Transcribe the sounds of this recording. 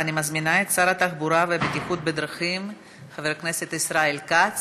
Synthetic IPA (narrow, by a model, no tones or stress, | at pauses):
animazminaet̪saɾat̪aχbuɾavebet̪iχut̪bed̪ɾaχim | χaveɾkneset̪isɾaelkat͡s